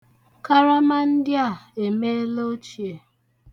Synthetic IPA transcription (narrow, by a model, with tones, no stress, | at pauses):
ka˦ɾa˦ma˦n̩˦dɪ˦a˨e˨me˦e˦lo˦t͡ʃi˨e˨